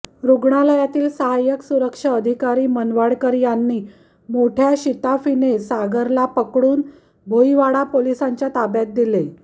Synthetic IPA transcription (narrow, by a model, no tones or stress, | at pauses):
ɾuɡɳaləjat̪iːlsəɦajəksuɾəkʂəəd̪ʱikaɾiːmənʋaɽkəɾjanːiː | moʈʰjaɕit̪afinesaɡəɾlapəkɽuːn | bʱoiʋaɽapolisaɲt͡ɕjat̪abjat̪̚d̪ile